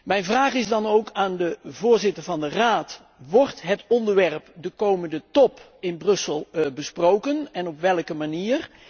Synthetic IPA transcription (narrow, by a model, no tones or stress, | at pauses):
mɛjnvraːχɪzdɑnowkʰaːndəvʊːɹzɪtəɹvɑndəraːt | ʋɔrtɦətɔndəɹʋɛrpdəkowməndətɔp | ɪnbrɵsəlˠbəsprowkənɛnɔpʋɛlˠkəmaniːr